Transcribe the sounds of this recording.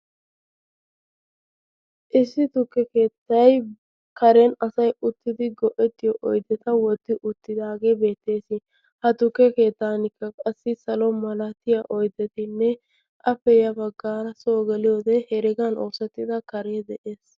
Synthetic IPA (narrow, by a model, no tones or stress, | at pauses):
ʔɪsːɪt̪ʊkːɛke̞ːt̪ːɐj | kɐɾɛnɐsɐjʊt̪ːɪd̪ɪɡɔʔɛt̪ːɪjɔʔɔjd̪ɛt̪ɐwɔt̪ːɪʔʊt̪ːɪd̪aːɡe̞ːbe̞ːt̪ːe̞ːsɪ | hɐt̪ʊkːɛke̞ːt̪ːaːnɪkːɐkʼɐsːɪsɐlɔmɐlɐt̪ɪjɐʔɔjd̪ɛt̪ɪnːɛ | ʔɐpːɛjɐbɐɡːaːɾɐsoːɡɛlɪjoːd̪ɛhɛɾɪɡɐnʔo̰ːsɛt̪ːɪd̪ɐkɐɾed̪ɛʔe̞ːs